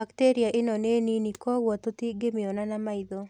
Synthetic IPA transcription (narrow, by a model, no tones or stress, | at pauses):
akteɾiaʔɪnɔneninikɔwɔt̪ot̪iɡemɪɔnanamaid̪o